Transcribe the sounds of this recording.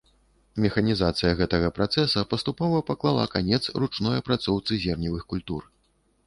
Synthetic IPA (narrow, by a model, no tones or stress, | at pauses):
mʲɛxɐnʲizat̪sɨjɐɣɛt̪ɐɣɐpɾat̪sɛsɐpɐst̪upɔvɐpaklˠalˠa̰kanʲɛt̪srut͡ʂnɔjɐpɾat̪sɔwt̪sɨzʲɛrnʲivɨxkulʲt̪ur